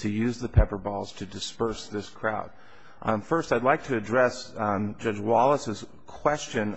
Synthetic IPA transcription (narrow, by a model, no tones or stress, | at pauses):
tʰɨjʉzðɨpʰɛpə˞bɔlˠz̥tʰɨdɨspɜ˞sðɪskʰɹ̥aʊd̥̚ | fɜ˞staɪdˡlaɪk̚tʰɨːdɹɛsd͡ʒʌd͡ʒwɑlˠəsɨz̥ | kʰw̥ɛst͡ʃɨ̃n